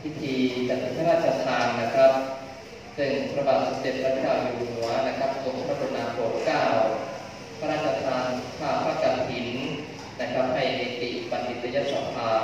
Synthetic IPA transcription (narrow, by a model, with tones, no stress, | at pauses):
pʰi˦˥t̪ʰiː˧t͡ɕa˨˩i˦˩pʰa˦˧ɾaː˥˩t͡ɕʰa˧t̪ʰaː˧nːa˦˥kʰɾa˦˥p̚ | sɯ˨˩ŋpʰɾa˧baː˨˩t̪̚sa˨˩t͡ɕe˨˩t̪̚ʰɾa˥t̪ʰkaː˧mjuː˧nu˩˦ɐna˦˥kʰɾa˦˥p̚ːt̪ʰo˧˦mʰ˦˥a˦˥˩pʰo˧nːaː˧pu˨˩kkaː˥˩w | pʰa˦ɾaː˥˩t̪̚t͡ɕʰa˧t̪ʰaː˧nkʰaː˥˩pʰaː˥˩k̚ka˧npʰi˨˩˦n | na˦˥kʰɾa˦˥p̚ha˧˩jʔeː˧˩t̪i˨˩ʔba˨˧nʔi˨˩t̪̚ɾa˧ja˦˥˩sa˨˩˦pʰaː˧